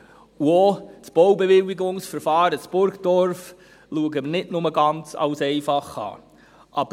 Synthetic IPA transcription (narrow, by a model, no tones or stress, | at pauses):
uot͡sb̥ɔwbeʋɪwɪɡʊŋsfəɾfɑːɾət͡sb̥ʊɾɡd̥ɔɾf | luəɡəmənɪtnʊməɡɑnt͡sɑ̰wsɛɪfɑχɑ̰ː | ʔɑb̥ə